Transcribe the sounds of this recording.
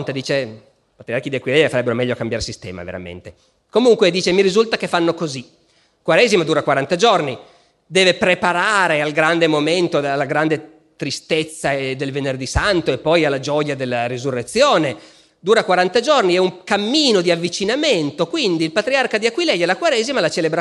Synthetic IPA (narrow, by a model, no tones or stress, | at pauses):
nt̪ed̪iːt͡ʃe | pat̪ɾiark̟id̪iakwilɛʎafaɾɛbːeɾomɛʎːokambjaɾrsist̪ɛ̰ːma̰vḛɾa̰mḛnt̪e | komuŋkwed̪iːt͡ʃemiɾizult̪akefanːokozi | kwaɾɛːzimod̪uːɾakwaɾant̪ad͡ʒorni | d̪ɛːvepɾepaɾaːɾealɡɾand̪emoment̪oalːaɡɾand̪e | t̪ɾist̪et̪sːad̪elvenerd̪isant̪oepːɔjalːad͡ʒɔjad̪elːaɾizurːet̪sːjoːne | d̪uːɾakwaɾant̪ad͡ʒorniɛuŋkamːiːnod̪iavːit͡ʃinament̪okwind̪iːlpat̪ɾiarkad̪iakwilɛʎalakwaɾɛzimalat͡ʃelebɾa